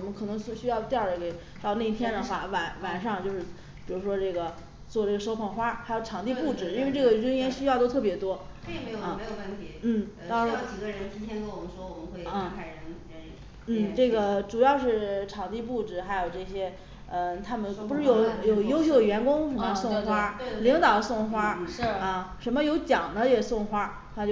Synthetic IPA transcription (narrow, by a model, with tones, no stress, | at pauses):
mə˧˩kʰɤ˨˩nɤ˧˥ŋsɕy˥jɑ˥˧ʊt̪jʊdə˩ke˨˩ɪ | t̪ʊna˥˧i˥t̪ʰjɛ˥nd̪ə˨xwa˥˩wa˨˧˩nwa˨˩nʂɑ˥˧ŋt͡ɕjo˥˧ʊʂɻ̩˥˩ | pi˨˩ɻu˧˥ʂwɔ˥ʈ͡ʂɤ˥˩ɡə˩ | t͡swɔ˥˧ʈ͡ʂɤ˥˩ɡə˩ʂo˥ʊpʰɑ˨˩ŋxwa˥xa˧˥jo˧˩ʊʈ͡ʂʰɑ˨˩ŋt̪i˥˧pu˥˩ʈ͡ʂɻ̩˨˩˦nwe˥˧ʈ͡ʂɤ˥˩ɡə˩ɻə˥njɛ˥nɕy˥jɑ˥˧ʊt̪o˥ʊt̪ʰɤ˥˩p̬jɛ˧˥t̪wɔ˥˩ | m˧˥˨me˧˥jo˨˩wə˥˩nt̪ʰi˧˥n̩˥˩t̪ɑ˥ŋ˥˩t͡ɕi˨˩ɡə˧ɻə˧˥nt͡ɕʰi˥nt̪ʰjɛ˥nt̪ɔ˥wɔ˨˩mə˦ʂwɔ˥wɔ˨˩mə˦xwe˥˩ɪə˥˧˥kʰa˧˩ɪɻə˧˥n˧˥˧ | n̩˥˩ʈ͡ʂɤ˥˩ɡə˩ʈ͡ʂu˨˩jɑ˥˧ʊʂɻ̩˥˩ʈ͡ʂʰɑ˨˩ŋt̪i˥˧p̬u˥˩ʈ͡ʂɻ̩˨˩xa˧˥ɪjo˨˩ʊʈ͡ʂɤ˥˩ɕjɛ˥ | ə˧t̪ʰa˥mə˨npu˧˥ʂɻ̩˥˩jo˨˩˥ʊjo˧˨˩ʊjo˥ʊɕjo˥˧ʊə˨ɥɛ˧˥nkʊ˥ŋ˧sʊ˥˩ŋxwa˥li˧˥ŋt̪ɑ˨˩ʊsʊ˥˩ŋxwa˥˧ə˧ʂə˧˥nmə˧jo˧˥ʊt͡ɕjɑ˨˩ŋnə˦jɛ˨˩sʊ˥˩ŋxwa˥˩ | t͡ɕo˥˩